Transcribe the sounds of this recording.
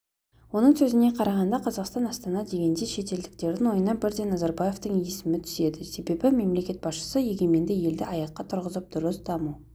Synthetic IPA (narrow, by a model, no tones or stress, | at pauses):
wo̞nəɴsɵzɪne̞qʰɑɾɑʁɑnd̪ɑqʰɑzɑqst̪ɑnɑst̪ɑnɑd̪e̞ɡʲe̞nd̪e̞ʃe̞t̪e̞ld̪ɪk̚t̪e̞ɾd̪ɪŋwo̞jənɑbɪɾd̪e̞nɑzɑɾbɑje̞ft̪əŋje̞sɪmɪt̪ʰʏ̥ze̞d̪ɪse̞be̞bɪme̞mle̞kʲe̞t̪̚bɑsʃə̥səje̞ɡʲe̞me̞nd̪ɪje̞ld̪ɪɑjɑqːɑt̪ʰʊɾʁəzəp̚d̪̥ʊɾəsd̪̥ɑmu